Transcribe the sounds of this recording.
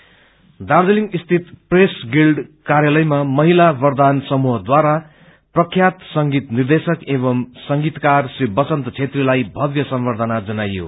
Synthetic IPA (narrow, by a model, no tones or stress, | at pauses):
d̪ard͡zeliŋɡist̪ʰit̪presɡilɖkarjalʌjmamʌɦilabʌrd̪ansʌmuɦʌd̪waɾa | prʌkʰjat̪sʌŋɡit̪nird̪esʌkeβʌmsʌŋɡit̪karsribʌt͡sʌnt̪t͡sʰet̪rilajbʱʌd̪jʌsʌmbʌrd̪ʱʌnad͡zʌnajo̰